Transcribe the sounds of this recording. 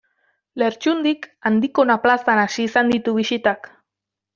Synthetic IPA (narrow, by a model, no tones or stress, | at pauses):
le̞ɾt͡ʃund̪ikand̪ikonaplasanaʃiːsand̪it̪uβ̞isit̪ak